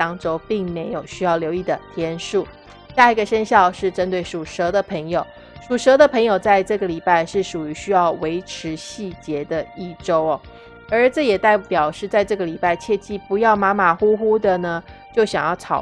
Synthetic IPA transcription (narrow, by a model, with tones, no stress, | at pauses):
ɑ˥ŋʈ͡ʂo˥ʊpi˥˩ŋme˧˥ɪjo˨˩ʊɕy˥jɑ˥˩ʊljo˧˥ʊi˥˩d̪ə˩t̪ʰjɛ˥nʂu˥˩ | ɕja˥˩i˧˥ɡə˨ʂə˥nɕjɑ˥˧ʊʂɻ̩˥˩ʈ͡ʂə˥nt̪we˥˩ɪʂu˨˩ʂɤ˧˥d̪ə˨pʰə˧˥ŋjo˨˩ʊ | ʂu˨˩ʂɤ˧˥d̪ə˨pʰə˧˥ŋjo˨˩ʊt͡sa˥˧ɪʈ͡ʂɤ˥˩ɡə˩li˨˩pa˥˧ɪʂɻ̩˥˩ʂu˨˩y˧˥ɕy˥jɑ˥˩ʊwe˧˥ɪʈ͡ʂʰɻ̩˧˥ɕi˥˩t͡ɕjɛ˧˥d̪ə˧i˥˩ʈ͡ʂo˥ʊɔ˨˩ | ə˞˧˥ʈ͡ʂɤ˥˩jɛ˨˩t̪a˥˩ɪpjɑ˨˩ʊʂɻ̩˥˧t͡sa˥˧ɪʈ͡ʂɤ˥˩ɡə˩li˨˩pa˥˧ɪt͡ɕʰjɛ˥˧t͡ɕi˥˩pu˧˥jɑ˥˩ʊma˧˥ma˨˩xu˥xu˥d̪ə˨nə˨ | t͡ɕjo˥˩ʊɕjɑ˨˩ŋjɑ˥˩ʊʈ͡ʂʰɑ̰˨˩ʊ